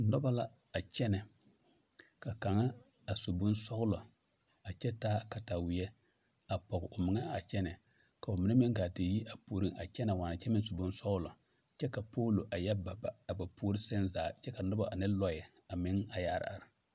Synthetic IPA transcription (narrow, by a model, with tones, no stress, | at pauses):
nɔ˦ba˦la˦ | a˨t͡ʃɛ˦nɛ˨ | ka˨ka˨ŋa˦ | a˨sʊ˨bʊ˦nsɔ˦ɣʊ˦lɔ˨ | a˨t͡ʃɛ˦taː˦ka˨ta˨wɪ˨jɛ˦ | a˨pɔ˨ɣɪ˨ʔʊ˨mɪ˨ŋa˦a˨t͡ʃɛ˦nɛ˨ | ka˨ʊ˨mɪ˨nɛ˦mɛ˦ŋ˦ɡaː˨dɪ˨ji˦ʔa˨puː˨ɾi˦ŋa˨t͡ʃɛ˦na˨waː˨na˨t͡ʃɛ˦mɪ̃˦ŋ˦sʊ˨bʊ˦n˦sɔ˦ɣʊ˦lɔ˨ | t͡ʃɛ˦ka˨poː˦lo˨ʔa˨jɛ˦ba˨baː˨ba˨pʰuː˦ɾi˦sɛ˦nzaː˨t͡ʃɛ˦ka˨nɔ˦ba˨ʔa˨nɪ˦lɔ˦jɛ˨ | a˨mɪ˦ŋa˨ja˨˦˨ɾ̰a̰˨ɾɪ˨